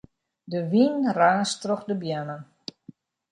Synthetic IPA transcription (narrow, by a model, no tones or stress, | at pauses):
dəʋinraːstrɔχdəbjanən